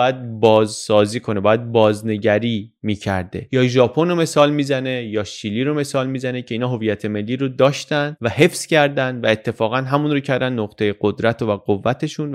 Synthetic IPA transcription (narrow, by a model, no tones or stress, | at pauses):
jæd̪̚bɒːzsɒːziːkʰo̞ne̞bɒːjæd̪̚bɒːzne̞ɟæɾiːmiːcʰæ̰ɾd̪e̞̰jɒːʒɒːpʰo̞nome̞sɒːlmiːzæne̞jɒːʃiːliːɾo̞me̞sɒːlmiːzænecʰe̞inɒːɦo̞viːjæt̪ʰe̞me̞lːiːɾod̪ɒːʃt̪ænd̪væɦe̞fscʰæɾd̪ænd̪væe̞t̪ʰːefɒːɣænɦæmunɾocʰæɾd̪ænːoqt̪ʰe̞je̞ɡ̥o̞d̪ɾæt̪ʰovæɡovːæt̪ʰe̞ʃun